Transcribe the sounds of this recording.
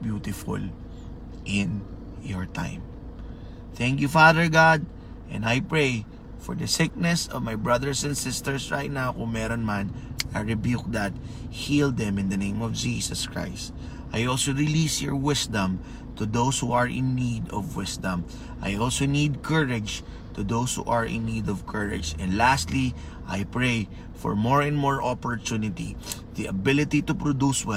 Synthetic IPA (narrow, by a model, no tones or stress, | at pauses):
bjut̪ɪfʊ̰l | ʔɪ̃n | jɔɹt̪ʰã̰ɪ̃m | θæ̃ŋkjufaðəɹɡad̪̚ | ʔɛ̰̃nd̪ajpɹej | fɔɹd̪ɐsɪk̚nɛsɔvmajbɹɐðəɹsɛ̃nd̪sɪst̪ɛɹsɹajt̪̚nawkʊ̃ŋmɛɾɔnmanɐɹɪbjuk̚d̪at̪̚ | hild̪ɛ̃mɪ̃nd̪ɐnẽj̃mɔvd͡ʒiːsɐskɹa̰jst̪ | ʔajʔɔlsoɹɪlisjɔ̰ɹwɪsd̪ɐ̃m | t̪ʊd̪owshuɐɹɪ̰̃nːid̪ɔvwɪsd̪ɐ̃m | ʔajʔɔlsonid̪̚kʰəɹɪd͡ʒ | t̪ʊd̪owshṵʔɐɹʔɪ̰̃nːid̪ɔvkʰəɹɪ̰d͡ʒɛ̃nd̪last̪li | ʔajpɹej | fɔ̰ɹmoɹɛ̃nd̪moɹʔɔpɔɹt̪unɪt̪ḭ | ðiʔɐbɪlɪt̪it̪ʊpɹɔd̪uswɛ